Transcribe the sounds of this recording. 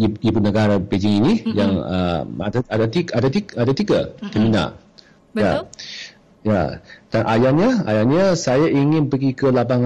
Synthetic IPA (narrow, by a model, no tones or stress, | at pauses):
iibʊtnəɡaɾabed͡ʒɪŋinijaŋə̰a̰daadat̪iadat̪iadat̪iɡat̪əmina̰ | a | ja̰d̥anʔajaɲəa̰jaɲəsajaʔiŋɪnpəɡikəlapaŋ